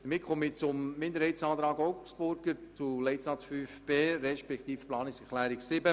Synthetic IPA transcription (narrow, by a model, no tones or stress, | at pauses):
d̥əɾmɪt̚kχomɪt͡sʊmmɪnd̪əɾhɛɪtsɑːt̪ɾɑːɡɔʊksb̥ʊɾɡəɾt͡sulɛɪtsɑt͡sfyːfb̥eːɾɛʃpɛkt̪iːfplɑːnɪksɛχlæːɾɪksɪbə